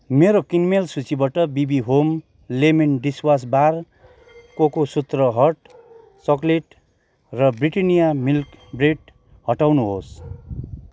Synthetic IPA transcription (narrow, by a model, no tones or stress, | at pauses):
meɾokinmelsut͡sibaʈʌbibiɦom | lemenɖiswas̬bar | kokosut̪rʌɦʌʈ | t͡sʌkleʈ | rʌbriʈʌnijamilkbreɖ | hʌʈawnuɦos